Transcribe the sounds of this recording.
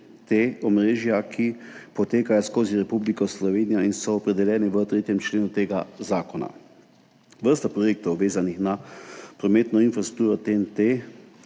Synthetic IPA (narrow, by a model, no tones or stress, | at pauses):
t̪eɔmɾeːʒjakʰipɔt̪eːkajɔskoːziɾɛpublikɔslɔʋeːnijainsɔːpɾɛd̪ɛljɛːniʋət̪ɾeːt̪jɛmt͡ʃleːnut̪eːɡazaːkɔna̰ | ʋəɾst̪apɾɔjeːk̚t̪ɔwʋeːzanixnapɾɔmeːt̪nɔinfɾast̪ɾu̥kt̪uːɾɔt̪ent̪e